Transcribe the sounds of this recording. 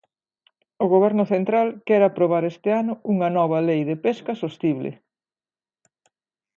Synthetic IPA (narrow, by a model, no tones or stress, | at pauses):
ʊɣoβɛɾnʊθent̪ɾalkɛɾapɾoβ̞aɾest̪ɪanʊuŋɐnɔβ̞ɐlejðepeskɐsost̪iβlḛ